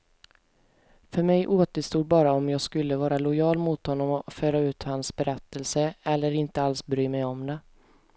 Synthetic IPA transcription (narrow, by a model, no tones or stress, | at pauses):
fœɾmɛjʔoːt̪əst̪uːd̪̚bɑːɾaɔmjɑːɡskɵlːəvɑːɾalʊjɑːlmʊt̪hɔnːɔmɔføːɾaʉ̟ːt̪hansbɛɾɛt̪ːəlsəɛlːəɾɪnt̪əalsbɾyːmɛjɔmd̪ɛ